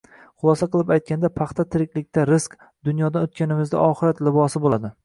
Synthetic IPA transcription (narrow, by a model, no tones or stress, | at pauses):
χʊlˠɒsaqɨlˠɪpajt̪̚kʲand̪apʰɑχt̪ʰat̪ʰɪɾɪkʲlɪk̚ʲt̪ʰaɾɪsk | d̪ʊnjɒd̪anot̪̚kʲanɪmɪzd̪a̰ʔɒχɨɾat̪lɪbɒsɪbolad̪ɪ